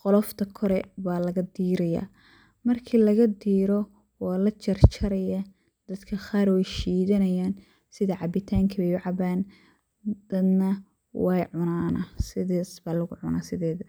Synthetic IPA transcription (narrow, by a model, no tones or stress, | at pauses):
qɔlɔft̪ʰɐkʰɔɾɛbaːlɐɣɐd̪iːɾɐja̰ː | mɐrkʰiːlɐɣɐd̪iːɾɔ | wɑːlɐt͡ʃʰɐrt͡ʃʰɐɾɐjɐ | d̪̥ɐd̪kʰɐχaːɾwɛjʃiːðɐnɐjaːn | sɪðɐʕɑbɪt̪ʰaːŋkʰɐβɛjʊʕɑβaːn | d̪̥ɐd̪nɐ | wɑːjʕʊnaːnɐsɪðaːsbaːlɐɣʊʕʊ̰naːsɪðɛːðɐ